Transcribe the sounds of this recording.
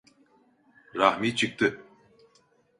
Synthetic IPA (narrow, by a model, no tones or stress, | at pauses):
ɾahmiːt͡ʃʰɨk̚t̪ʰɨ